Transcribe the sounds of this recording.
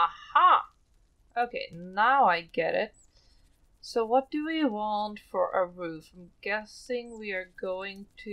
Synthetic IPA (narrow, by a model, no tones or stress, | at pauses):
ʌhɑ | ʔoʊkʰeɪnaʊaɪɡɛɾɪ̰t̚ | soʊwʌt̚d̥ɨwiwɑ̃ntfə˞ʔəɹʉfãmɡ̥ɛsɪ̃ŋwiə˞ɡoʊɪ̃ŋtʰɨ